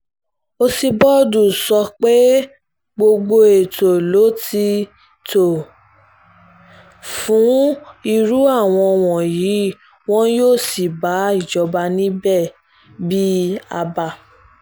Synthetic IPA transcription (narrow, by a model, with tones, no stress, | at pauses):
o˧si˧bɔ˦du˨sɔ˧k͡pe˦ | ɡ͡bo˧ɡ͡bo˧e˨to˨lo˨˦ti˧ | to˨ | fũ˨˦i˧ɾu˦a˦˨w̃ɔ̃˧w̃ɔ̃˨ji˨˦ | w̃ɔ̃˦joː˦˨si˨ba˨˦i˦˨d͡ʒɔ˨˧ba˧nĩ˦bɛ˦˨ | bi˦a˧ba˧